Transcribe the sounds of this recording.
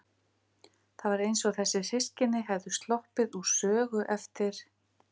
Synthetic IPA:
θaðvaɾejnsɔɣθɛsːɪsɪscɪnːɪɦɛvðʏst̪lɔhpɪðusœːɣʏʔɛft̪ɪɾ̥

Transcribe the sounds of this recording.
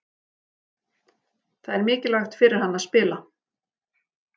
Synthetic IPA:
θaðɛɾmɪːcɪlaxt̪fɪɾɪɾ̥hanːaðspɪːla

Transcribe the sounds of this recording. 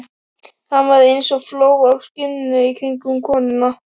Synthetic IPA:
hanvaɾðɪensɔɣfloːwakscɪnɪnʏikʰɾejŋkʏmkʰɔːnɪnːa

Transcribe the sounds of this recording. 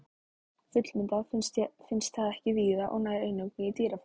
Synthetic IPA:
fʏt̪lmɪnt̪asfɪnst̪θaðɛhcɪviːðaʔɔ̰ɣnaːjɾeːjnʏkniit̪iːɾaf

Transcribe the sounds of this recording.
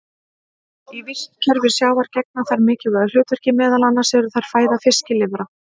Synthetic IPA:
ivɪst̪cʰœɾvɪɾ̥sjaːwvaɾ̥cɛk̚naθaɾmɪːcɪɣœðl̥ʏːt̪ʏɾ̥cɪmɛːðalanːasɛɾʏθajɾ̥faːjðafɪscɪlɪvɾa

